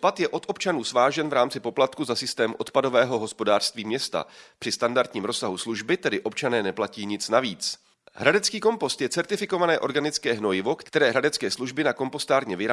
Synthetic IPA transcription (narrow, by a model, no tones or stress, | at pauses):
pat̪jɛʔo̞t̪ʔo̞pt͡ʃanuːsvaːʒɛnvɾaːmt͡sɪpo̞plat̪kuzasɪst̪ɛːmʔo̞t̪pado̞vɛːɦo̞ɦo̞spo̞daːr̥st̪viːmɲɛst̪a̰pr̥ɪst̪andaɾt̪ɲiːmɾo̞saɦusluʒbɪt̪ɛdɪʔo̞pt͡ʃanɛːnɛplaciːɲɪt͡snaviːt͡s | ɦɾadɛt͡skiːko̞mpo̞st̪jɛt͡sɛɾt̪ɪfɪko̞vanɛːʔo̞ɾɡanɪt͡skɛːɦnojɪvo̞kt̪ɛɾɛːɦɾadɛt͡skɛːsluʒbɪnako̞mpo̞st̪aːɾɲɛvɪɾaː